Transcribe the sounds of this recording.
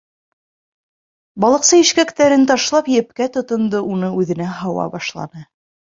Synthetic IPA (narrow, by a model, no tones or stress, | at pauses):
bɑlˠɤ̆qsɤiʃkækt̪æɾɘnt̪ɑʃlˠɑpjɘ̆p̚kæt̪ŏt̪ŏnd̪ɤʔunɤʉðɘ̆næɦɑwɑ̰bɑʃlˠɑ̰nɤ